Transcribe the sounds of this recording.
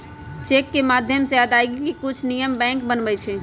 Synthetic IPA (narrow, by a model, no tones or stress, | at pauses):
t͡ʃeːkːemaːd̪ʱjəmsejad̪aːeɡikikʊt͡ʃʰnijəmbɛ̃ːŋkbənbəjt͡ʃʰe